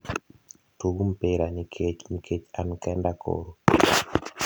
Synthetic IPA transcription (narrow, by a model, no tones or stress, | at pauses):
tuɡumpeɾanikʰet͡ʃnikʰet͡ʃankɛndakʰo̰ɾo